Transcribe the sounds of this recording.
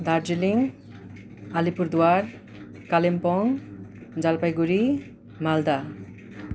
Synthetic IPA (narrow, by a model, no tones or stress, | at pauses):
d̪aɾd͡zeliŋ | alipuɾd̪uwaɾ | kalempɔŋ | d͡zalpajɡuɾi | mald̪a